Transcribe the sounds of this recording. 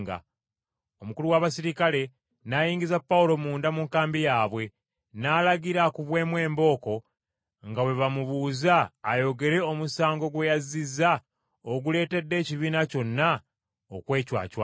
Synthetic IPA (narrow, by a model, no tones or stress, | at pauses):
ɡa̰ | o̞mukuluwaβasiɾikale̞ | najiːŋɟizapːaulo̞muːndamuŋkaːmbijaːβwe̞ | naːlaɡiɾakuβwe̞ːmwe̞ːmbo̞ːko̞ | ŋɡawe̞βamuβuːzaːjo̞ɡe̞ɾe̞omusaːŋɡo̞ɡwe̞jaziza | oɡule̞ːte̞dːe̞ːciβiːnaco̞nːa | okwe̞ːcwa̰ːcwa